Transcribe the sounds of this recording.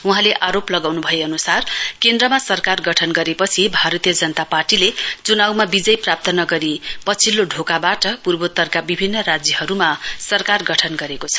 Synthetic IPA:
uɦãleʔaɾoplʌɡawnubʱʌeʌnusarkend̪rʌmasʌrkarɡʌʈʰʌnɡʌɾepʌt͡sʰibʱaɾʌt̪ijʌd͡zʌnʌt̪aparʈilet͡sunawmabid͡zʌjprap̚t̪ʰʌnʌɡʌɾipʌt͡sʰilːoɖʱokabaʈʌpurbot̪ːʌrkabibʱinːʌɾad͡zjʌhʌɾumasʌrkarɡʌʈʰʌnɡʌɾekot͡sʰʌ̥

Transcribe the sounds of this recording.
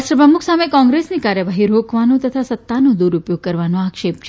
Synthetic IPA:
ʃɾəpɾəmukʰsamekɔ̃ŋɡɾesnikaɾjəʋaɦiɾokʰʋanõt̪ət̪ʰasət̪ːanõd̪uɾupjoɡ̚kəɾʋanõakʃep̚t͡ʃʰ

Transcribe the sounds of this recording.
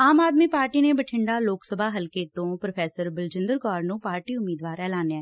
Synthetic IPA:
aːmaːd̪miːpaːɾʈiːneːbəʈʰɪɳɖaːloːksəbʱaːɦəlkeːt̪õːpɾopʰɛːsəɾbəld͡ʒɪ̃nd̪əɾɡɔːɾnũːpaːɾʈiːʊmːiːd̪ʋaːɾɛːlaːnjɛː

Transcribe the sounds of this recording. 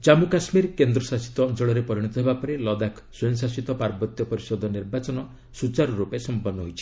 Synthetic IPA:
t͡ʃamukasmiɾkend̪ɾɔsasi̥t̪ɔːnt͡ʃɔɭɔɾepɔɾiɽ̃it̪ɔɦebapɔɾelɔd̪akʰ | sɔɔŋsasit̪ɔpaɾbɔt̪jɔpɔɾisɔd̪ʱɔniɾbat͡ʃɔnɔ | sut͡ʃaɾɔɾupesɔmpɔnːɔɦojt͡ʃʰi̥

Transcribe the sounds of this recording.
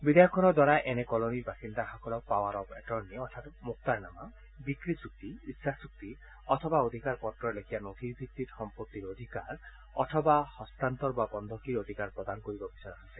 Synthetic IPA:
bid̪ajɔkʰɔnɔd̪waɾaʔenekɔloniɾbasind̪ahakɔlɔpawaɾɔbeʈɔɾniɔt̪ʰatmuk̚t̪aɾnama | bikɾisuk̚t̪iissʰasuk̚t̪i | ɔt̪ʰɔbaod̪ʱikaɾpɔʈɾɔɾlekʰibanod̪ʱiɾbʱikt̪iɾsɔmpot̪ːiɾod̪ʱikaɾ | ɔ̰t̪ʰɔbahɔst̪ant̪ɔɾbabɔnd̪ʱɔkiɾod̪ʱikaɾpɾɔd̪ankoɾibɔbisɔjɾaasʰe

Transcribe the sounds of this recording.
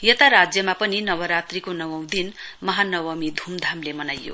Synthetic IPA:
jʌt̪aɾad͡zjʌmapʌninʌwʌɾat̪rikonʌwãw̃d̪inmʌɦanʌwʌmid̪ʱumd̪ʱamlemʌnajːo̰

